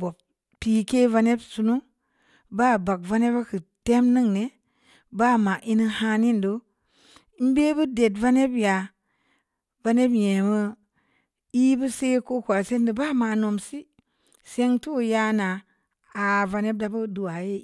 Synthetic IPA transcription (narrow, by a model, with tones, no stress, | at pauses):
bo˨b | pi˨ke˦va˧ne˦bsu˧nu˦ | ba˦˨ba˨k̚va˦ne˦ba˦kɨ˨te˦mnɨ˦ŋne˨ | ba˦ma˨ʔi˦ni˦ha˦ni˦ndo˦ | i˦m˦be˦bɨ˦de˨tva˦ne˦bja˨ | va˧ne˦bje˨mə˦ | i˦bu˦se˦ko˦kʷa˨se˦ndə˨ba˦ma˨no˨msi˦ | se˦ŋtu˦˨ja˦naː˨ | va˧ne˦b̚da˨bu˦du˨wa˨je˦